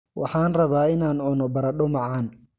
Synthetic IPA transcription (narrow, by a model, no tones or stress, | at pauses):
wʔɑħɑːnrɐβaːɪnaːnʕʊnɔbɐɾɐɗʊmɑʕɑːn